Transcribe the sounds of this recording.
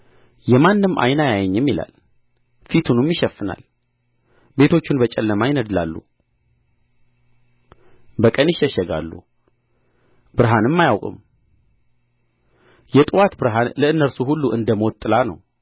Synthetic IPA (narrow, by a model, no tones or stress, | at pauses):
jɛmanːɨmʔa̰jnajajɛɲːɛmːila̰l | fit̪ʰunumjɪʃɛfːɨna̰l | be̞t̪ʰo̞t͡ʃːunbət͡ʃʼɛlːəmajɪnəd̪la̰lːṵ | bəkʼənɪʃːɛʃɛɡa̰lːṵ | bɨɾɦanɨmːajawkʼɨ̰m | jɛt̪ʼɨwat̪bɨɾɦanləɨnːəɾsuɦulːuʔɨnd̪əmot̪ʼːɨlanə̰w